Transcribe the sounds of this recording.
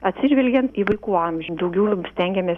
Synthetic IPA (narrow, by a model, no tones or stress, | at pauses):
ɐt̪ʲsʲɪʒʲʋʲɛlʲɡʲɛnt̪iːʋɐɪkuːɑˑmʲʒʲd̪ɐʊɡʲɛʊsʲt̪ʲɛŋʲɡʲɛmʲeːs